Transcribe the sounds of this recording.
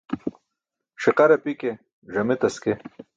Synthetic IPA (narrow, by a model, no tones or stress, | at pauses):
ʂiqɐɾɐpike | ʐɐmet̪ɐske